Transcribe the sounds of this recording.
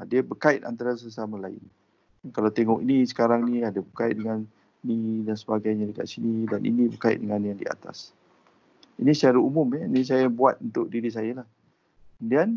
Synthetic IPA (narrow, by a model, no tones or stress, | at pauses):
adəbərkaɪt̪̚a̰nt̪aɾasəsamãlaɪ̰n | kalawt̪eŋɔkinisə̥kaɾaŋnĩadəbərkaɪt̪̚dəŋan | nidansəbaɡajɲadəka̰ʔsinidanʔḭnĩbəkaɪ̰dəŋanjaŋdḭa̰t̪a̰s | inisət͡ʃaɾaumʊmɛnis̬ajabuat̪̚unt̪ʊʔ̚diɾis̬ajəlah | əndian